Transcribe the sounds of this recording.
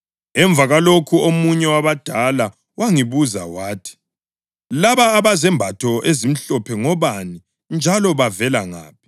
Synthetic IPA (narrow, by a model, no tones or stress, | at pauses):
ɛɱb̪vʱaɣalokʰuomuɲɛwaβad̥ʱala | waŋiβuza̰waːtʰi̥ | laβaːβazɛmbʱatʰɔʔezim̩ɬɔpʰɛŋɔβani | nd͡ʒʱalɔβavɛlaŋa̰ːp̚ʰi̥